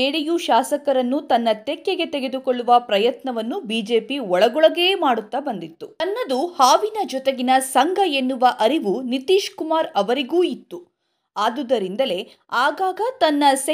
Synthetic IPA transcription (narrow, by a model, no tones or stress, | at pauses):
eːɽijuʃaːsɐkɐɾɐnːut̪ɐnːɐt̪ɛkːeɡe̞t̪eɡe̞d̪ukoɭːuʋɐpɾɐjɐt̪nɐʋɐnːubiːd͡ʒe̞ːpiɔɭɐɡɔɭɐɡe̞ːmaːɽut̪ːɐbɐnd̪it̪ːuɐnːɐd̪uhaːʋinɐd͡ʒɔt̪eɡinɐsɐŋɡʱɐe̞nːuʋɐʔɐɾiʋunit̪iːʃkumaːɾɐʋɐɾiɡuːit̪ːu | aːd̪ud̪ɐɾind̪ɐle̞ | aːɡaːɡɐt̪ɐnːɐs